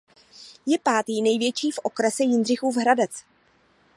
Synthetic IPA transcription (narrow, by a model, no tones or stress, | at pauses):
jɛpaːt̪iːnɛjvjɛt͡ʃiːfʔo̞kɾɛsɛjɪndr̝ɪxuːvɦɾadɛt͡s